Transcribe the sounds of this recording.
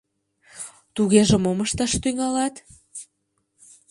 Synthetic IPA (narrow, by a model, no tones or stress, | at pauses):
t̪uɣeʒĕmoməʃt̪ɑʃt̪yŋɑlɑt̪